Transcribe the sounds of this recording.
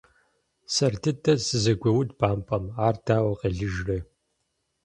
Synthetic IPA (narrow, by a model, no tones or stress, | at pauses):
sɐrtʰɨtʰɐsɨzɐɡʷɐwʊdbaːmpʰʼɐmaːrdʰaːwɐqɐɮɨʒrɐ